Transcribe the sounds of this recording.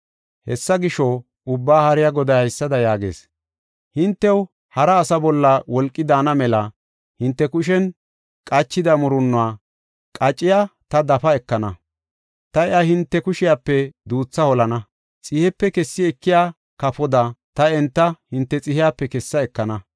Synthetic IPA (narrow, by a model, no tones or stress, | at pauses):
hɛsːɐɡɪʃɔ | ʊbːaːhɐɾɪjaɡɔd̪ɐjɐjsːɐd̪ɐjaːɡḛːs | hɪnt̪ːɛw | hɐɾɐːsɐbɔlːɐwɔlkʼːɪd̪aːnɐmɛlɐ | hɪnt̪ːɛkʊʃ̬ɛn | kʼɐt͡ʃːɪd̪ɐmʊɾʊnːʊaː | kʼɐt͡ʃʼːɪjaːt̪ɐd̪ɐfɐɛkːɐnɐ | t̪ɐɛʔɐhɪnt̪ːɛkʊʃɪjapːɛd̪uːt͡sːɐhɔlɐnɐ | t͡sʼɪhɛpːɛkɛsːɪɛkːɪjaː | kɐfɔd̪ɐt̪ɐɛnt̪ːɐhɪnt̪ːɛt͡sʼɪhɪjaːpːɛkɛsːɐɛkːɐnɐ